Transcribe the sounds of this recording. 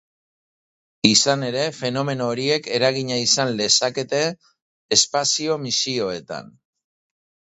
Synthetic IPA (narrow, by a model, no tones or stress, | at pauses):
isane̞ɾe̞fe̞no̞me̞no̞ːɾie̞ke̞ɾaɣ̞iɲaisanle̞sake̞t̪e̞ː | spasio̞misio̞e̞t̪a̰n